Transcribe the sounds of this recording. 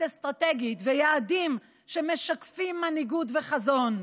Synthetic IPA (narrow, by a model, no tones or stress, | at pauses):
est̪ʁat̪eɡit̪vejaːdim | ʃe̞me̞ʃakfimːaniɡudveχazo̞n